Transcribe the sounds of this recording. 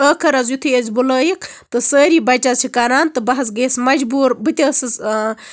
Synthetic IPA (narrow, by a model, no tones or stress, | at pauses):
əːkʰɐɾɐzjut̪ʰɨjezʲbuləːjik | t̪ɨsəːɾibɐt͡ʃʲat͡ʃʰikɐɾaːnt̪ɨbɐɦɐs̬ɡeːsmɐd͡ʒbuːɾbɨt̪ʲɐːsɨ